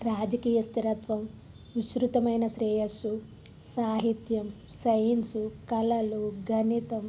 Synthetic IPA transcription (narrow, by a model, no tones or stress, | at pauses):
ɾaːd͡ʒɐkiːjɐst̪iɾɐt̪ʋɐm | ʋiʃɾut̪ɐmɐjnɐʃɾɛːjɐsu | saːɦit̪jɐm | sɐjɐnsukɐlɐluɡʱɐnit̪ɐm